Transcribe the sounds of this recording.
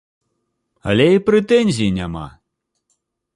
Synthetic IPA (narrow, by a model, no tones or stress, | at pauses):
ɐ̰lʲɛipɾɛt̪ɛnʲzʲijinʲama̰